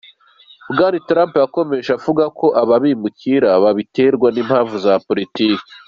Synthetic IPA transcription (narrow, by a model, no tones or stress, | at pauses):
bɡanitɾaːmpjako̞me̞ʃavuɡakʰo̞ʔaβaβimuciɾaβaβite̞ɾɡwaniːmhaːɱvuzapo̞ɾitiːki̥